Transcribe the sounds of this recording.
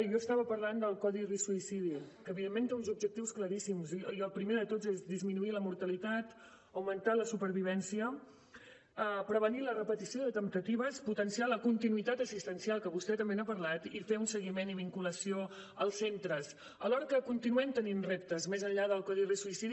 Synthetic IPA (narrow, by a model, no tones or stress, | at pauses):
jɔəst̪aβəpəɾland̪əlˠkɔðirisuisiðikəːβiðemːent̪eunzub̚ʒək̚t̪iwskləɾisimziəlˠpɾimeðət̪ozezðizminuiləmuɾt̪əlit̪at̪ | əwmənt̪aləsupəɾβiβɛnsiə | əpɾəβ̞ənilərəpət̪isioðət̪əmt̪ət̪iβ̞əsput̪ənsialəkunt̪inuit̪at̪əsist̪ənsialˠkəβust̪ɛt̪əmbenapəɾlat̪ifeunsəɣimeniβiŋkuləsio | əlˠsːent̪ɾəs | əlɔɾəkəkunt̪inuɛmt̪əninrep̚t̪əzmezəʎʎaðəlˠkɔðirisuisiði